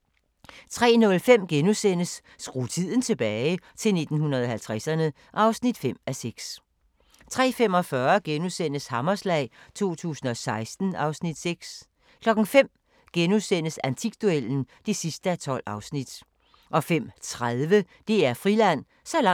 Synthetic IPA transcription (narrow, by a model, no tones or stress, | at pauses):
t͡sʰʁɛ̰ːnɔ̽lfem̰ɡ̥enusen̰əsː | ɡ̥ʁṵːt͡sʰið̞̰ˠn̩t͡sʰe̝b̥ɛːɪt͡sʰe̝lne̝d̥n̩hunɐðˠɒ̽ɦælt͡sʰʁæsɐnə | ʔɑ̈ʊsnid̥fem̰æseɡ̥s | t͡sʰʁɛ̰ːfem̰ɒ̽fɶːɐɡ̥enusen̰əshɑ̈mɐslɛ̰ɪt͡sʰo̝̰ːt͡sʰṵːsn̩ɒ̽sɑ̈ɪsd̥n̩ɑ̈ʊsnid̥seɡ̥s | kʰlɒ̽ɡ̥n̩fem̰ | ɡ̥enusen̰əsænt͡sʰiɡ̥̚d̥uel̰n̩d̥e̝sisd̥əæt͡sʰɒ̽l̰ɑ̈ʊsnid̥ | ʔɒ̽fem̰t͡sʰʁaðˠʋə | d̥e̝æɐfʁilæn̰ | sɒ̽lɑ